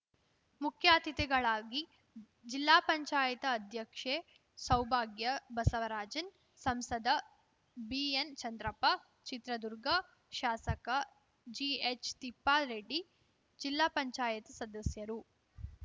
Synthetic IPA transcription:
mukʰjaːt̪it̪ɛɡɐɭaːɡi | d͡ʒilːaːpɐɲt͡ʃaːjɐt̪ɐːd̪ʱjɐkʂeː | sɐwbʱaːɡjɐbɐsɐʋɐɾaːd͡ʒɐn | sɐmsɐd̪ɐ | bient͡ʃɐnd̪ɾɐpɐ | t͡ʃit̪ɾɐd̪uɾɡɐ | ʃaːsɐkɐ | d͡ʒiet͡ʃt̪ipːaːɾeːɖi | d͡ʒilːaːpɐɲt͡ʃaːjɐt̪ɐsɐd̪ɐsjɐɾu

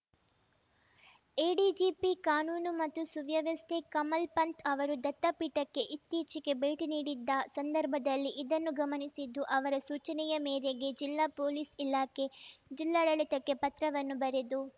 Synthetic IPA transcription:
eːɖiːd͡ʒipikaːnuːnumɐt̪ːusuʋjɐʋɐst̪ekɐmɐlpɐnt̪ʰɐʋɐɾud̪ɐt̪ːɐpiːʈɐkːe̞ʔit̪ːiːt͡ʃike̞beːʈiniːɽid̪ːɐsɐnd̪ɐɾbʱɐd̪ɐlːiʔid̪ɐnːuɡɐmɐnisid̪ːuʔɐʋɐɾɐsuːt͡ʃɐnɛjɐmeːɾeɡe̞d͡ʒilːaːpoːliːsilaːke̞d͡ʒilːaːɽɐɭit̪ɐkːe̞pɐt̪ɾɐʋɐnːubɐɾed̪u

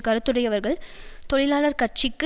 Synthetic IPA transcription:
kɐɾɯt̪ːɯɽɐjɐʋɐɾɣɐɭt̪ɔɭɪlaːɭɐɾkɐrt͡ʃɪkːɯ

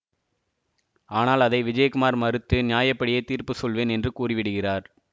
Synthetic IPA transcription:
aːnaːlɐðɐɪʋɪd͡ʒɐjɐkʊmaːɾmɐɾɯt̪ːɯnɪjaːjɐpːɐɽɪjeːt̪iːɾpɯsɔlʋeːnɛndrɯkuːrɪʋɪɽɯɣɪraːɾ

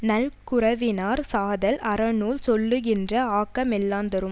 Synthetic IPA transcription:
nɐlkʊɾɐʋɪnaːɾsaːðɐlʔɐɾɐnuːlsɔlːɯɣɪndrɐaːkːɐmɛlːaːnd̪ɐɾɯm

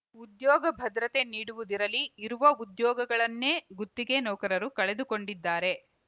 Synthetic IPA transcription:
ud̪jɔːɡɐbʱɐd̪ɾɐt̪e̞niːɽuʋud̪iɾɐliːɾuʋɐud̪jɔːɡɐɡɐɭɐnːe̞ːɡut̪ːiɡe̞nɔːkɐɾɐɾukɐɭe̞d̪uko̞ɳɖid̪ːaːɾe̞

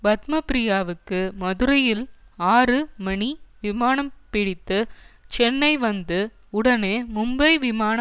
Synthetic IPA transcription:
bɐt̪mɐpɾɪjaːʋɯkːɯmɐðɯɾɐjɪlaːɾɯmɐɳiʋɪmaːnɐmpɪɽɪt̪ːɯt͡ʃɛnːɐɪʋɐnd̪ɯ | ʊɽɐneːmʊmbɐɪʋɪmaːnɐ

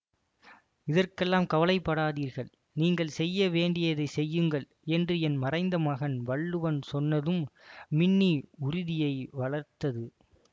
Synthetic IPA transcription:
ɪðɐrkɛlːaːmkɐʋɐlɐɪpːɐɽaːðiːɾɣɐɭ | niːŋɡɐɭsɛjːɐʋeːɳɖɪjɐðɐɪsɛjːɯŋɡɐɭ | ɛndrɯɛnmɐrɐɪnd̪ɐmaːɣɐnʋɐɭːɯʋɐnsɔnːɐðɯmːɪɳːiʊɾɪðɪjɐɪʋɐɭɐɾt̪ɐðɯ

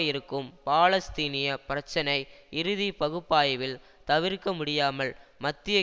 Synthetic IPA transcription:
ɪɾɯkːɯmpaːlɐst̪iːnɪjɐpɪɾɐt͡ʃːɐnɐɪɪɾɯðipɐɣɯpːaːjɐʋɪl | t̪ɐʋɪɾkɐmʊɽɪjaːmɐɭmɐt̪ːɪjɐ

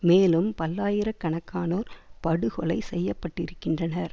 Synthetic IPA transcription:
meːlɯmpɐlːaːjɪɾɐkːɐɳɐkːaːnoːɾpɐɽɯɣɔɭɐɪsɛjːɐpːɐʈːɪɾɯkːɪndrɐnɐɾ

